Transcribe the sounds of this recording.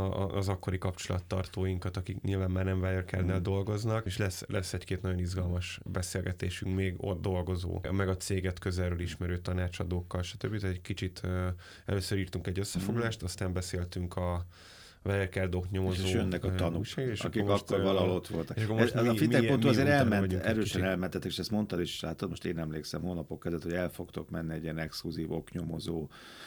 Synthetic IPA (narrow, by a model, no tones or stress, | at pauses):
zɒkːo̞ɾikɒpt͡ʃolɒ̰t̪ːɒ̰rt̪oːjiŋkɒt̪ɒkikɲʔilvaːmːaːrnɛɱvajɛrkɛrd̪nɛːld̪o̞lɡo̞znɒkeːʃlɛsːlʔɛsːɛckeːt̪nɒɟo̞nizɡɒlmɒʃbɛseːlɡɛt̪ḛːʃyŋkmeːɡo̰d̪d̪o̞lɡo̞zo̰ːmɛɡɒt̪seːɡɛt̪kø̞zɛrøːliʃmɛɾøːt̪ɒnaːt͡ʃɒd̪oːkːɒlʃɒ̥t̪øbːit̪ɛɟkit͡ʃit̪ʰø | ɛ̰løːsøɾiːrt̪uŋkɛɟːøsːɛfo̞ɡlɒlaːʃt̪ɒst̪aːmbɛseːlt̪yŋkʰɒ | vɛlɛrkɛrd̪okɲo̞mozoːønːɛkɒt̪ɒnuʃaːɡeʃɒ̰kirmɒʃk̪ːorɒlɒlot̪ʋolt̪ɒkeʃʃɒkːoɛzɛzɒifitmːɛkoːt̪uɒzeːɾɛlmmɛnɒɟ̪uŋɛɾøːiʃt͡ʃɛnɛlmɛnt̪ːɛt̪ːke̥ʃɛst̪mo̞nt̪ɒleʃe̥ʃlaːt̪ot̪moʃt̪eːnɛmleːksɛ̰mɦoːnɒpokːɛzɛt̪hoɟɛlfo̞kt̪o̞kmɛnːiɛɟiɛnɛkskluziːvokɲo̞mozoː